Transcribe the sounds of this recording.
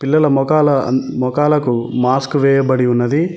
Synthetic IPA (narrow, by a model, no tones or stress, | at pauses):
pilːɐlɐmɔkaːlɐmɔkaːlɐkumaːskuʋɛːjɐbɐɽiunːɐd̪i